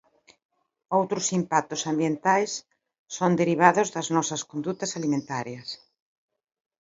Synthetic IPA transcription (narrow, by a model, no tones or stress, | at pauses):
owt̪ɾʊsimpak̚t̪ʊsambjent̪ajsː | ond̪eɾiβ̞aðʊzðɐznɔsɐskond̪ut̪ɐsalimẽnt̪aɾjɐs